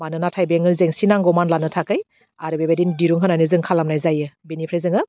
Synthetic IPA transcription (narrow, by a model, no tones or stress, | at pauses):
manɯnatʰajbeŋɯlzeŋsinaŋɡɔmanlanɯtʰakɯj | aɾɯbebadindiɾuŋɦɯnajnɯzɯŋkʰalamnajzajɯbenipʰɾezɯŋɯ